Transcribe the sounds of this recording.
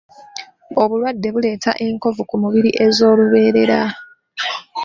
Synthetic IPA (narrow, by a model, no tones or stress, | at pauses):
o̞βulwadːe̞βule̞ːta̰ʔe̞ŋko̞vukumuβiɾiʔe̞zo̞ːluβe̞ːɾe̞ɾa